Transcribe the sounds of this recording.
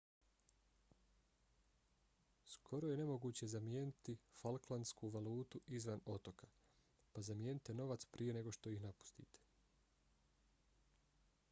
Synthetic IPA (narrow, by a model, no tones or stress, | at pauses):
skʰo̞ɾo̞je̞ne̞mo̞ɡuːt͡ɕe̞zamje̞ːnit̪ifalˠklanskuːʋaluːt̪uizʋano̞t̪o̞kḁ | pazamje̞ːnit̪eno̞ʋat̪spɾije̞ne̞ɡo̞ʃt̪o̞ixnapu̥st̪ḭːt̪e̥